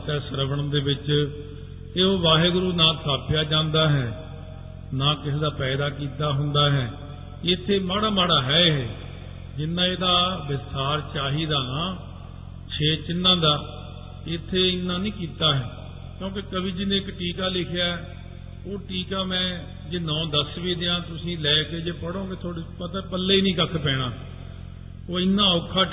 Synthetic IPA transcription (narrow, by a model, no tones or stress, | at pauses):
t̪ɛːsəɾəʋəɳənd̪eːbɪt͡ʃ | eːoːʋaːɦeːɡʊɾuːnãːsʰaːpjaːd͡ʒãːnd̪aːɦɛː | nãːkɪseːd̪aːpɛːd̪aːkiːt̪aːɦʊnd̪aːɦɛː | ɪt̪ʰːeːmaːɽaːmaːɽaːɦɛːɦɛː | d͡ʒɪnːãːeːd̪aːbɪst̪aːɾt͡ʃaːɦiːd̪aːnãː | t͡ʃʰeːt͡ʃɪnːãːd̪aː | ɪt̪ʰːeːɪnːãːnĩːkiːt̪aːɦɛː | kjõːk̬ɪkəbiːd͡ʒɪnːẽːkʈiːkaːlɪkʰejaːɛ | oːʈiːkaːmɛ̃ː | d͡ʒeːnɔ̃ːd̪əsʋiːd̪ɪãːt̪ʊsĩːlɛːkeːd͡ʒeːpəɽõːɡeːt̪ʰoːɽeːpət̪ɛ̃ːpəlːeːiːnĩːkəkʰpɛːɽ̃aː | oːɪnːãːokʰːaː